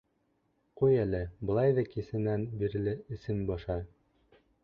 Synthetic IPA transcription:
qujælɘbɤ̆lˠɑjðɑkisɘ̆nænbiɾɘ̆lɘʔɘ̆sɘnbɒʃɑ

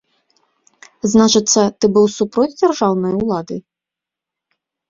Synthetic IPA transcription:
znat͡ʂɨt̪sːɐt̪ɨbɨwsupɾɔt͡sʲd͡zʲarʐawnɔjwlˠad̪ɨ

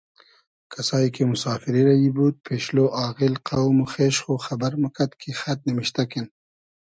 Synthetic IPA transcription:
kʰasɑːjkemʊsɑːfiɾiɾajibut̪̚pʰeʃloʔɑːɣɪlqawmuxeʃxoxabaɾməkat̪kʰixat̪̚nimiʃt̪akin

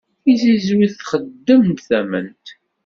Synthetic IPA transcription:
izizwiθθχəd̪ːəmt̪θæmənt̪

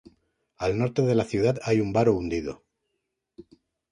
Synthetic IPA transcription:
alno̞ɾt̪e̞ðe̞laθjuðaðajumbaɾound̪iðo̞̰

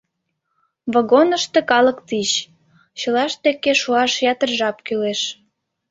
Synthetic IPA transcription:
βoɣonəʃt̪ekɑləkt̪it͡ɕ | t͡ɕəlɑʃt̪ekeʃuɑʃjɑt̪ərʒɑp̚kyleʃ

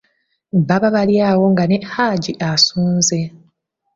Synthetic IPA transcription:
βaβaβaljaːwo̞ŋɡanehaɟiʔasuːnze̞

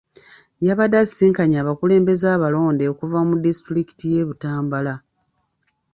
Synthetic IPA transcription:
jaβadassiːŋkaɲaːβakule̞ːmbe̞zaːβalo̞ːndeokuvamudistɾiki̥tije̞βutaːmbala

